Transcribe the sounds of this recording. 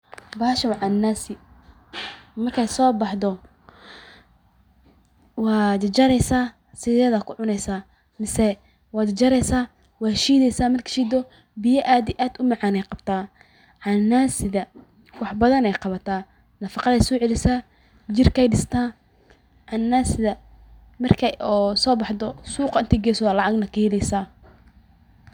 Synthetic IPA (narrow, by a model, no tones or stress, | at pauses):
baːʃɐwʕanːaːsɪ | mɐrkʰɛjsɔːbɑħd̪ɔ | wɑːd͡ʒɐɾɛjsaː | sɪðɛːðɐkʰʊʕʊnɛjsaː | mɪsɛ | wɑːd̪d͡ʒɐɾɛjsaː | wɑːʃiːðɛjsaːmɐrkʰɐ̥ʃiːd̪ɔ | bɪjɐʔaːd̪ɪʔaːd̪ʊmɑʕaɑːnɛjqɑbt̪ʰaː | ʕɑnːaːsɪðɐ | wɑħbɐðɐnɛjqɑβɐt̪ʰaː | nɐfɑqɑðɛjsɔːʕɛlɪsaː | d͡ʒɪrkʰɛjɖɪst̪ʰaː | ʕɑnːaːsɪðɐ | mɐrkʰɛɔsɔːbɑħd̪ɔsuːqɑɪnt̪ʰɛɡɛːsaːlɑʕɑɡnɐkʰɐhɛlɛjsaː